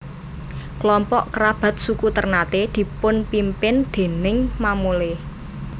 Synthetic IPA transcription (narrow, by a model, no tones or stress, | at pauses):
klɔmpɔʔkɾab̥a̤t̪̚sukut̪ərnat̪ed̪̥i̤pʊnpimpɪnd̪̥e̤nɪŋmamuleh